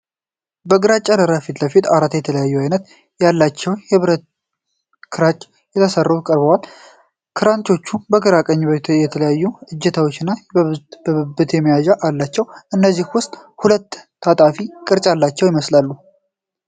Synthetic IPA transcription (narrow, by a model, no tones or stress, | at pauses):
bəɡɨɾat͡ʃʼːaləɾafit̪ləfit̪aɾat̪jɛt̪ʰələjajːuajnət̪ | jalːat͡ʃːɛwjɨβɾət̪ | kʰɨɾat͡ʃʼː | jɛt̪ʰəsərːukʼəɾbəwal | kʰɨɾant͡ʃ̪o̞t͡ʃːubəɡɨɾakʼəɲːjɛt̪ʰələjajːuɨd͡ʒːɛt̪ʰawot͡ʃːɪnːabəɨbɨt̪jɛməjaʒaʔalːat͡ʃːɛwʔɨnːəzːihwʊst̪ʼhulət̪ːʰ | at̪ʼafikʼɨɾt͡ʃʼalːat͡ʃːɛwjɪməslalːu